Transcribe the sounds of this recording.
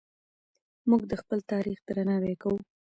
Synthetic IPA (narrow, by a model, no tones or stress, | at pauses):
muɡd̪əxpəlt̪ɑɾixd̪ɾanɑwekawu